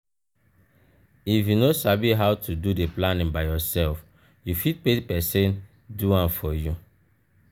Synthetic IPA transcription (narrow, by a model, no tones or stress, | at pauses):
ifjunosabiɦaʊtʰududeplanĩŋbaɪjɔsɛlf | jufit̚pepɛsẽn | duãnfɔju